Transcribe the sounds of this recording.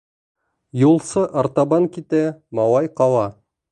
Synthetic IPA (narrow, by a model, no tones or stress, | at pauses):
julˠsɤʔɑɾt̪ɑβɑŋkit̪æmɑwɑjqɑwˠɑ